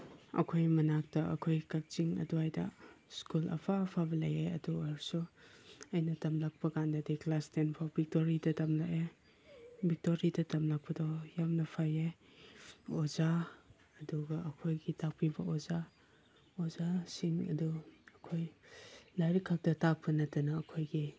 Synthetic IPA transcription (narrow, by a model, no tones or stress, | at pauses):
ɐ̰kʰojmɐnak̚tɐɐ̰kʰojkɐk̚t͡ʃiŋɐ̰duajdɐ̰skulʔɐ̰pʰapʰabɐlɐjeɐduaɾsuɐjnɐtɐmlak̚pɐkandɐdiklastenpʰawbik̚toɾidɐtɐmlake | bik̚toɾidɐtɐmlak̚pɐdɔjamnɐpʰaje | oza | ɐduɡɐʔɐkʰojɡitak̚pibɐʔoza | ozasiŋɐ̰duɐkʰojlaɾikʰːak̚tɐtak̚pʰɐnɐtɐnɐːkʰojɡi